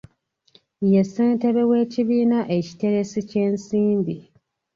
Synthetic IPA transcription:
jeseːnte̞βe̞we̞ːciβiːnaʔe̞ci̥te̞ɾe̞sice̞ːnsiːmbi

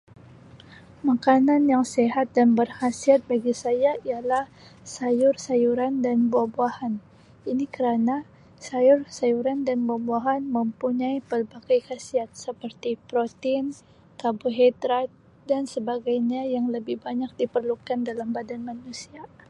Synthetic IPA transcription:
makananjaŋseɦat̪̚danbərhasiat̪̚baɡisajaijalah | sajʊrsajuɾandanbuabuahan | inikəɾana | sajʊrsajuɾandanbuabuaɦanməmpuɲaipərbaɡajhasiat̪̚səpərt̪ipɾot̪in | kabuɦedɾa | dansəbaɡajɲajaŋləbɪhbaɲak̚dipərlukandalambadanmanusia

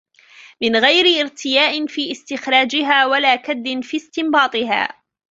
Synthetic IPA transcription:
mɪnɣajɾɪʔɪɾt̪ʰɪjaːʔɪnfiːʔɪst̪ɪxɾˤɑːd͡ʒɪɦaːwalaːkad̪ːɪnfiːst̪ɪmbɑːt̪ˤɨɦa̰ː

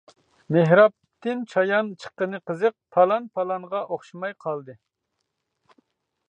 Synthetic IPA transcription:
meɦɾɑp̚t̪ʰɪnt͡ʃʰɑjɑnt͡ʃʰə̥qːənɨqʰəzɨq̚pʰɑlˠɑnpʰɑlˠɑnʁɑʔoχʃimɑjqʰɑlˠd̪ɨ

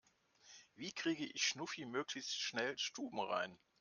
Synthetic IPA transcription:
viːkʁ̥iːɡəʔɪçʃnʊfimøːklɪçstʃnɛlʃtuːbm̩ʁa̰ɪn

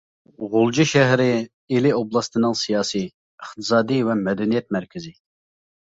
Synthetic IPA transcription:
ʁolˠd͡ʒiʃɛɦɾɪ | elɪoblˠɑst̪ɨnɨŋsijɑːsi | əχt̪ʰɨ̥sɑːd̪ivɛmɛd̪ɛnijɛt̪̚mæɾkʲʰɪzɪ

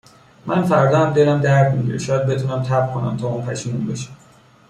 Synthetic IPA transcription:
mʔænfæɾd̪ɒːæmd̪elæmd̪æɾd̪miɟiɾḛʃɒːjæd̪̚be̞t̪ʰuːnæmt̪ʰæbkʰonæ̰mt̪ʰɒːuːnpʰæʃiːmunbeʃæ̥m

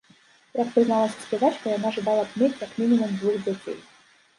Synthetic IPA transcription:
jakpɾɨznalˠasʲɐ̥sʲpʲɛzat͡ʃkɐjanaʐɨbalˠɐt̪mʲetʲjakmʲinʲimumd̪vuɣd͡zʲat͡sʲḛj

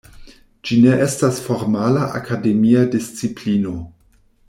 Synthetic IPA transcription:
d͡ʒine̞ʔe̞stasfo̞ɾmalaʔa̰kʰade̞miadist͡siplino̞

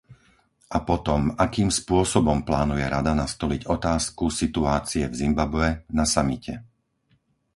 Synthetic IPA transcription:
ʔapɔt̪ɔmakiːmspʊɔsɔbɔmplaːnujɛɾad̪anast̪ɔliɟɔt̪aːskusit̪uaːt͡siɛvzimbabʋɛnasamicʰɛ

